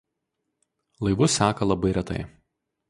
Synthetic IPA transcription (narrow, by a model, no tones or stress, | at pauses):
lˠɐɪʋʊsʲæːkɐlˠɐbɐɪɾʲɛt̪ɐ̰ɪ